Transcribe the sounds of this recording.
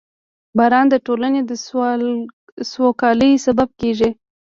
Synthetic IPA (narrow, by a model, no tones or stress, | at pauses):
bɑɾɑnd̪əʈolaned̪ə | swokɑləjsabab̚keʒi